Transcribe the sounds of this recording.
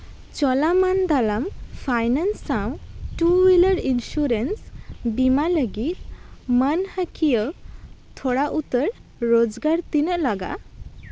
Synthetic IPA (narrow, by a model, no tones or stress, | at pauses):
t͡ɕɔlamənd̪alamfʰajnənsːãwʈuʋiləɽinɕuɾənsbimaləɡit̪mənhəkʰijət̪ʰɔɽaʔut̪əɾɾod͡zɡaɾt̪inəʔlaɡa̰